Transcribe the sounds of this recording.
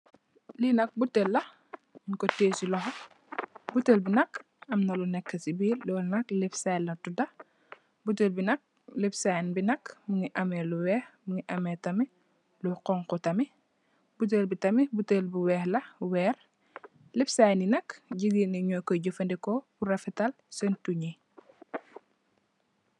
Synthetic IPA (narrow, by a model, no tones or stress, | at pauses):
linɐk̚butːelːɐ | ŋkɔteːsilɔxɐ | butelbinɐk | ɐmnɐlunɛkːɐsibiːlɔːlnɐklifsajlɐtudɐ | butelbinɐk̚ | lipsajnbinɐkmuŋiʔɐmɛluwɛːxmuŋiʔɐmɛtɐmi | luqɔŋkɔtɐmi | but̬elbitɐmibutelbuwɛːxlɐwɛːr | lɛpsajninɐkɟiɡiniɲɔjkɔɟɔfɐndɛkɔburɐfitɐl | sɛntuɲi